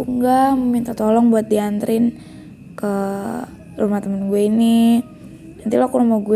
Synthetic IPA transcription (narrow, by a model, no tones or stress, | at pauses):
uŋɡamumint̪at̪ɔlɔŋbuat̪̚diant̪ɾɪn | kə | rumaht̪əmənɡuɛini | dant̪ilakunamoɡu